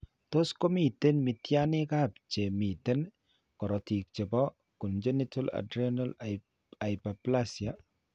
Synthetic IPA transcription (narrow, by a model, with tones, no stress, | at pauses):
t̪o˦sko˦mi˦˨t̪e˦nmi˨t̪ja˦nɪ˦ka˦˨p̚t͡ʃe˨mi˨t̪e˦n | kɔ˨ɾɔ˨t̪ʰi˨k̚t͡ʃe˨bɔ˦ | ku˨nd͡ʒe˦ni˦tʰo˦la̰˨dɾi˦nal | a˨jpa˨pla˦si˨a˨